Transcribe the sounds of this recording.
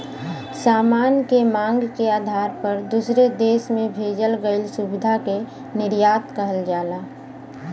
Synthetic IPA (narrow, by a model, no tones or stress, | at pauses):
saːmaːnkemãːŋɡkeaːd̪ʱaːɾpəɾd̪usɾed̪eːsmẽbʱeːd͡ʒəlɡəɪlsʊbɪd̪ʱake | nɪɾjaːt̪kəɦəld͡ʒaːlaː